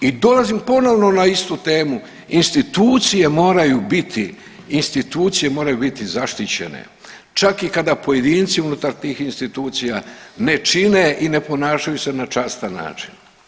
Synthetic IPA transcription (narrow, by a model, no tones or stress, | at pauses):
id̪o̞lazimpo̞no̞ʋno̞naist̪ut̪e̞ːmu | inst̪it̪uːt̪sije̞mo̞ːɾajubit̪ʰiː | nst̪it̪uːt̪sije̞moːɾajubit̪izaʃt̪it͡ɕe̞̰nḛ | t͡ʃakikad̪apo̞je̞d̪iːnt̪siunut̪aɾt̪iːxinst̪it̪uːt̪sijane̞t͡ʃineʔine̞po̞naːʃajuse̞nat͡ʃaːst̪anːa̰ːt͡ʃi̥n